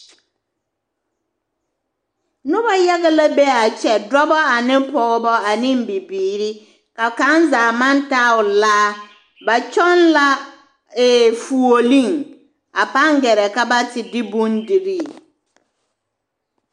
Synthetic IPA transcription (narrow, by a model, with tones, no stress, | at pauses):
nʊ˦ba˦ja˦ɣa˦la˦bɛ˦a˨t͡ʃɛ˨dɔ˦bɔ˦a˨nɪ˦mpɔ˨ɣɔ˦bɔ˦a˨nɪ˦mbi˨biː˨ɾi˦ | ka˨ka˦nzaː˨ma˦nta˦ʊ˨laː˦ | ba˨t͡ʃɔ˦nla˦ | eː˨fu˨o˨li˦˨ŋ | a˨pa˦ŋɡɛ˨ɾɛ˨ka˦ba˦tɪ˨dɪ˦bu˦ndi˨ɾi˦˨